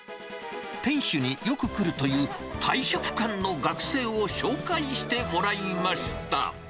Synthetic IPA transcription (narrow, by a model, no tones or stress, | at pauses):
t̪ẽ̞ɰ̃ɕɨɲ̟ijo̞kɯ̟kɯ̟ɾɯ̟t̪o̞jɯ̟ːt̪ʰaiɕokɯ̟̥kãnno̞ɡakɯ̟̥se̞ːo̞ɕo̞ːkaiɕi̥t̪e̞mo̞ɾaimaɕi̥t̪a̰